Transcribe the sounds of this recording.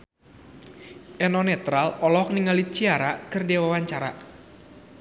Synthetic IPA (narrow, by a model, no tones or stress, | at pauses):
ʔɛnɔnɛt̪ɾalɔlɔɦɔk̚niŋalit͡ʃiaɾakɨrdewawaɲt͡ʃaɾa̰